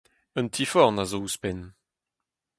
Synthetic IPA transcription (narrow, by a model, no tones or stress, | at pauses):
ə̃nt̪ʰifɔʁnazouspɛn